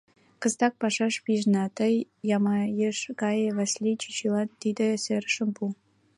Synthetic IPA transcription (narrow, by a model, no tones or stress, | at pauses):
kɤ̆st̪ɑk̚pɑʂɑʂpʲiʐnɑt̪ɤjːɑmɑjeʂkɑj̆vɑsʲlʲit͡ɕit͡ɕilˠɑnt̪id̪ɘ̆sʲerʂɘ̆mpu